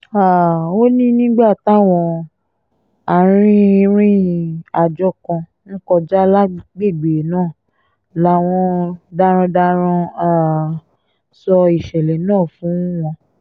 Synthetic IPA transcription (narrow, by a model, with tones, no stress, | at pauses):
a˨o˦nĩ˦nĩ˦ɡ͡ba˦˨ta˦wɔ̃˧ | a˨ɾ̃ĩ˦˧ɾ̃ĩ˦a˨d͡ʒɔ˧˦kɔ̃˧ | ñ̩˦kɔ˧d͡ʒa˦la˦ɡ͡be˦˨ɡ͡be˨nãː˦˨ | la˨˦w̃ɔ̃˧da˧ɾ̃ɔ̃˧da˧ɾ̃ɔ̃˧a˦˨ | sɔ˧i˨ʃɛ˨lɛ˨nãː˦˨fũ˨˦w̃ɔ̃˧